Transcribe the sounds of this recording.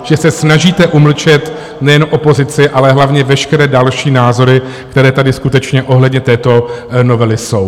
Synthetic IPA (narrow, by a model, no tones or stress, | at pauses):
ʒ̥ɛsɛsnaʒiːt̪ɛʔuml̩t͡ʃɛt̪ | nɛjɛnʔopo̞zɪt͡sɪʔalɛɦlavɲɛvɛʃkɛɾɛːdalʃiːnaːzo̞ɾɪ | k̚t̪ɛɾɛːt̪adɪskut̪ɛt͡ʃɲɛʔo̞ɦlɛdɲɛt̪ɛːt̪o̞no̞vɛlɪso̞w